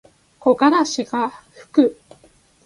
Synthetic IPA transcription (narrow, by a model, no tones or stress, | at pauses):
ko̞ɡaɾaɕiɡaɸɯ̥kɯ̟